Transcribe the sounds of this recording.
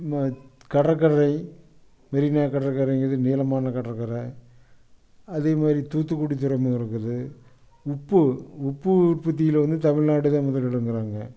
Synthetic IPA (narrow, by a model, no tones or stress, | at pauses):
mkɐɽɐkːɐɾɐɪ | mɛɾɪnaːkɐɽɐkːɐɾɐɪŋɡɐðɯneːlɐmaːnɐkɐɽɐkːɐɾɐ | ɐðeːmaːdɾit̪uːt̪ːɯkːuɽit̪̬ːʊɾɐmɐɪɾɯkːɐðɯ | ʊpːɯʊpːɯʊrpɐt̪̬ːɪjɪlʋɐnd̪ɯt̪ɐmɪɭnaːɽɯðãːmʊðɐlɐɭɯŋɡɪɾaːŋɡɐ